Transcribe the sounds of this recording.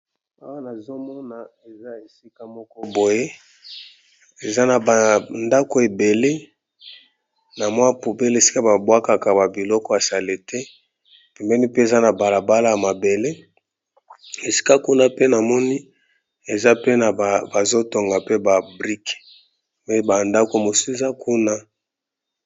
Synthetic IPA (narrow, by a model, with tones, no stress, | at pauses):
a˦wa˦na˨zo˦mɔ˦na˨ | e˨za˦e˨si˦ka˦mɔ˦kɔ˦bo˨je˦ | e˨za˦na˨ba˨nda˦ko˨e˨be˨le˦ | na˨mwa˦pu˨be˦le˦e˨si̥˦ka˦ba˨bwa˦ka˨ka˨ba˨bi˨lɔ˦kɔ˦a˨sa˨le˨tɛ˦˨ | pɛ˨mbɛ˦ni˦pe˦e˨za˦na˨ba˨la˨ba˦la˦ja˨ma˨be˨le˦ | e˨si̥˦ka˦ku˦na˦pe˦na˨mɔ˦ni˦ | e˨za˦pe˦na˨a˨ba˨zo˦to˨ŋɡa˨pe˦ba˨bʁi˦k | me˦ba˨nda˦ko˦e˨mo˨su˦e˨za˦kʰu˦na˦